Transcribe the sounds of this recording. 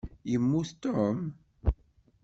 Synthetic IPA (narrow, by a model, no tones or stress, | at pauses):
jəmːuθt̪om